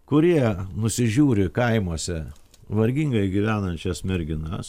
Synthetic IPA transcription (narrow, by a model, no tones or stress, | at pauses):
kʊɾʲiɛnʊsʲɪʒʲuːɾʲɪkɐɪmuɔsʲɛ | ʋɐɾʲɡʲiŋɡɐɪɡʲiʋʲæːnɐnʲt͡ʃʲɛsmʲɛɾʲɡʲɪnɐs